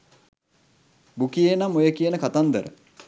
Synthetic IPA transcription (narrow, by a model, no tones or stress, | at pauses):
bukijenamːojəkijənəkat̪and̪əɾʔə̰